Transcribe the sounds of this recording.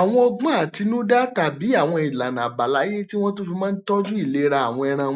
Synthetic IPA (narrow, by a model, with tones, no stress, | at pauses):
a˨w̃ɔ̃˧ɔ˧ɡ͡bã˦a˨ti˨˧nũ˦da˦ta˨bi˨˦a˦˨w̃ɔ̃˧i˨la˨nã˨ba˨la˨˦je˦ti˦w̃ɔ̃˦to˦fi˧mãː˦n̩˦tɔ˦d͡ʒũ˦i˦˨le˨˦ɾa˧a˨w̃ɔ̃˧ɛ˧ɾ̃ã˧˨˦